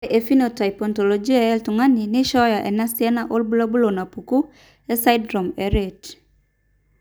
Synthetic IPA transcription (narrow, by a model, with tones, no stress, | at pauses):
ʔe˨fi˦no˨ta˨jpɔ˨nto˨lo˨d͡ʒi˦aɛltuŋa˦ni˨nɪ˦ʃɔ˦ja˨ʔɛ̰˨na˦siɛ˦na˦ʔolbu˦lo˦bu˦lo˨na˨puku˦ | ɛ˦sa˦jdɾo˨mɛɾet